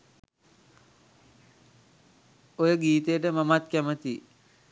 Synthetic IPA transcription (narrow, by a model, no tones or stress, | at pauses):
ojəɡiːt̪əjəʈəmamat̪kæmət̪i